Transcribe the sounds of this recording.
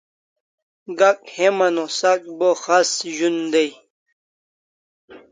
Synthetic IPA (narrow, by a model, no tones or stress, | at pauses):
ɡak̚hemɐnosak̚boxasʑund̪ej